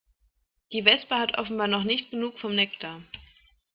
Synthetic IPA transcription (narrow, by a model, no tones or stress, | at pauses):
d̥iːvɛspəhatʔɔfn̩baːɐnɔχnɪçtɡ̥ənuːkfɔmnɛktʰa